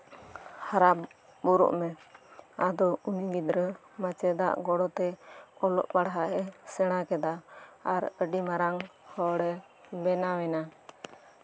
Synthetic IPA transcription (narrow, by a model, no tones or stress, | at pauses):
haɾa | bɔɾɔ̰ʔmɛ | ad̪ɔuniɡid̪ɾə | mat͡ʃɛd̪a̰ʔɡɔɽɔt̪ɛɔlɔ̰ʔpaɽɦaʔɛsɛɽ̃akɛd̪aaɾəɖimaɾaŋhɔɽɛ | bɛnawɛna